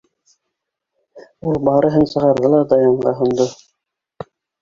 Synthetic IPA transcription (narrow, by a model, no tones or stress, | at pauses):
ulˠbɑɾɤ̆ɦɤnsɤ̆ʁɑɾðɤlˠɑd̪ɑjɑɴɢɑɦŏnd̪o